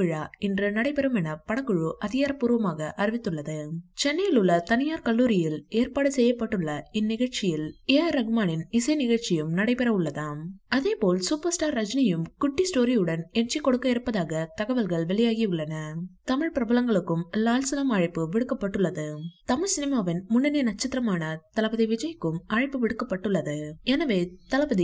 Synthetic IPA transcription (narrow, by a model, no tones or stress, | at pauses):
pɪɻaːɪndrɯnɐɽɐɪpɛɾɐmɛnɐpɐɽɐkːɯɻɯʔɐðɪjaːɾɐpːuːɾɯʋɐmaːɣɐʔɐɾɪʋɪt̪ːɯɭːɐðɯt͡ʃɛnːɐjɪlʊɭːɐt̪ɐnɪjaːɾkɐɭːuːɾɪjɪleːɾpaːɽɯsɛjːɐpːɐʈːɯɭːɐɪnːɪɣɐɻt͡ʃɪjɪleːɐɾɐɣɯmaːnɪnɪsɐɪnɪɣɐɭt͡ʃɪjɯmnɐɽɐɪpɛɾɐʊɭːɐðaːɐðeːpoːlsuːpɐɾsʈaːɾːɐd͡ʒnɐjɯmkʊʈːisʈoːɾijɯɽɐnɛnd͡ʒikːɔɽɯkːɐɪɾɯpːɐðaːɣɐt̪ɐɣɐʋɐlɣɐɭʋɛɭɪjaːɣiʊɭːɐnɐt̪ɐmɪɻpɪɾɐbɐlɐŋɡɐɭɯkːɯmlaːlsɪlɐmaːɻɪpːɯʋɪɽɯkːɐpːɐʈːɯɭːɐðɯt̪ɐmɪɻsɪnɪmaːʋɪnmʊnːɐnenɐt̚t͡ʃːɐt̪ːɪɾɐmaːnɐt̪ɐlɐbɐðɐɪʋɪd͡ʒɐjkːɯmaːɻɪpːɯʋɪɽɯkːɐpːɐʈːɯɭːɐðɯɛnɐʋeːt̪ɐlɐbɐð